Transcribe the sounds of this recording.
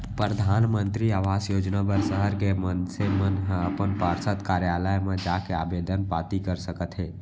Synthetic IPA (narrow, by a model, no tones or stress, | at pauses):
pɾɾəd̪ʱanmənt̪ɾiaʋasjod͡ʒnabəɾsəɦəɾkemənsemənɦəpənpaɾsət̪kaɾjaləjmẽd͡ʒakeabed̪ʱənpat̪ikəɾsəkət̪ɦɛ